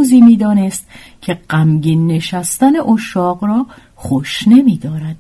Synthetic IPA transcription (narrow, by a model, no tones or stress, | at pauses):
uːziːmiːd̪ɒːnest̪ | cʰe̞ɢæmɟiːnːe̞ʃæst̪æne̞ʔoʃɒːɢɾɒː | χoʃne̞miːd̪ɒːɾæd̪̥̚